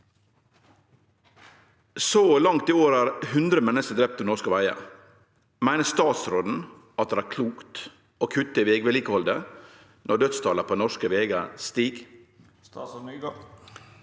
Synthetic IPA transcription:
soːlɑŋt̪iːoːɾæːɾhʉnd̪ɾəmɛnəsəd̪ɾɛp̚t̪onɔʂkəʋæɪə̰ | mæɪnəst̪ɑːt̪sɾoːd̪n̩ | ʔɑt̪̚d̪eʋæːɾkʰluːkt̪ | oːkʰʉt̪ːəiʋeːɡʋɛliːkəhɔld̪ə | nʔɔɖ̪œt̪st̪ʰɑːləpʰoːnɔʂkəʋeːɡəst̪iːɡ

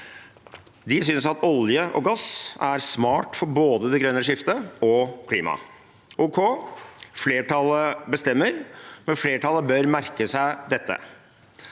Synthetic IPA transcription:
d̪ɪsʏnsɑt̪ɔljəʔɔ̰ɡɑsæɾsmɑːʈfɔɾboːd̪əd̪ɛɡɾœnəʂɪft̪əɔkʰlḭːmɑ̰ | ʔuːkʰo | fleːʈʰɑlːəbəst̪ɛmːəɾmɛnfleːʈʰɑlːəbœɾmæɾkəsæɪd̪ɛt̪ːə̰

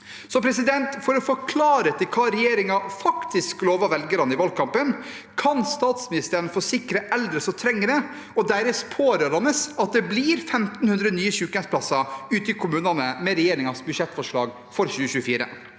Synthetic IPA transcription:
sɔpʰɾɛs̬ɪd̪ɛnt̪fɔɾɔfɔɾkʰlɑːɾət̪ʰɪlkʰɑːɾɛjeːɾɪŋɑfɑkt̪ɪskloːʋɑʋɛlɡəɾɑnəɪʋɑlkʰɑmpən | kʰɑnst̪ɑːt̪smɪnɪst̪əɾənfoːsɪkːɾəʔɛld̪ɾəsɔt̪ʰɾɛŋːəɾə | ɔd̪æɾəspʰoːɾəɾhɑnəsɑt̪̚d̪ɛbliːɾfɛmt̪nhʉnd̪ɾənyːəɕʉːk̪ɛnspʰlɑsɑʉːt̪əɪkʰʊmʉːnɑnəmɛɾɛjeːɾɪŋɑsbʉʂɛt̪ːfɔʂɭɑːɡ | fɔɾɕʉːəçʉːəfiːɾə̰

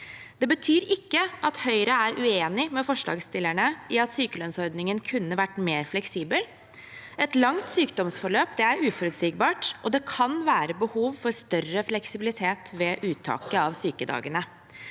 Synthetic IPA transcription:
d̪̥ɛbət̪ʰyːɾɪkːəʔɑt̪hœʏɾəæɾʔʉeːnɪmɛfɔʂɭɑ̰ːɡst̪ɪlæɳəɪɑt̪syːkəlœnsɔɾd̪nɪŋənkʰʉnːəʋæʈːmeːɾflɛksiːbəl | ɛt̪lɑŋt̪syːkd̪ɔmsfɔɭøːpd̪ɛæɾʉːfɔɾʉt̪siːk̚bɑːʈʔɔd̪ɛkʰɑnʋæːɾəbəhuːʋfɔɾst̪œrəflɛksɪbɪlɪt̪ʰeːt̪ʋɛːʔʉːt̪ʰɑ̰ːkəɑʋsyːkəd̪ɑ̰ːɡənə

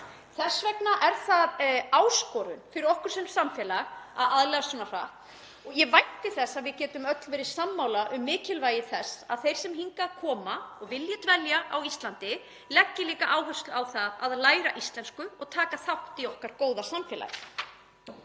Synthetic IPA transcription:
θɛsvɛknaʔɛɾ̥θaðaːwskɔːɾʏnfɪɾɪɾɔhkʏɾ̥sɛnsamfjɛːlaɣa̰ðaðlɛɣasvɔːnar̥a̰ht̪ | ɔɣjɛvajht̪ɪθɛsːaðvɪðcɛːt̪ʏmœt̪lvɛːɾɪ̥samːawlaʔʏmːɪːcɪlvaːjɪθɛsːa̰ðθejɾ̥sɛmhɦiŋkakʰɔːmaɔɣvɪljat̪vɛljaʔa̰wist̪lant̪ɪ | lɛcːɪliːkaʔaːwɦœst̪lawθaðaðlaːjɾa̰ʔist̪lɛnskʏɔɣt̪ʰaːkaθawht̪ɪɔhkaɾ̥koːwðasamfjɛːla̰j

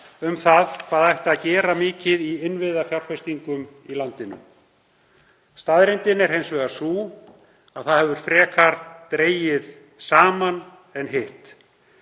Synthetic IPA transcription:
ʏmθaðkʰvaːðajht̪aðcɛːɾamɪːcɪðiɪnvɪððafjawr̥fɛst̪iŋkʏm | ilant̪ɪnʏ̰m | st̪aðɾɪnt̪ɪnɛɾhejnsvɛɣasuː | aðθaðhɛvʏɾ̥fɾɛːkʰaɾt̪ɾeːjɪð | saːman | ɛnɦɪht̪

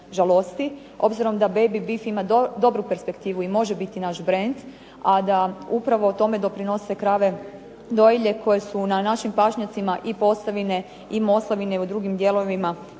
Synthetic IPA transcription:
ʒalˠost̪i | o̞bziɾo̞md̪abe̞jbibifimad̪o̞bɾupe̞ɾspe̞kt̪iːʋuimo̞ʒebit̪inaʃbɾe̞nd̪ | ad̪aupɾaʋo̞t̪o̞me̞d̪o̞pɾino̞se̞kɾaʋe̞ | d̪o̞jiʎe̞kʰo̞je̞sunanaʃimpaʃɲat̪simaʔipo̞slaʋine̞ | imo̞slˠaʋineud̪ɾuɡimd̪je̞lo̞ʋima

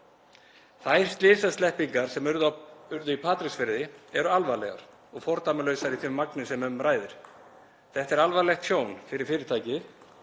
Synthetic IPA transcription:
θajr̥st̪lɪːsast̪lɛhpiŋkaɾ̥sɛmʏɾðaʏɾðʏipʰaːt̪ɾɪsfɪɾðɪɛɾʏalvalɛ̰ɣa̰ɾ̥ | ɔɣfɔɾ̥t̪aːmɪlœɥsaɾiθɪmːaknɪsɛmʏmraːjðɪɾ̥ | θɛht̪ɛɾalvajlɛxt̪sjoːwnfɪɾɪɾ̥fɪːɾɪɾ̥t̪ʰaːjcɪð

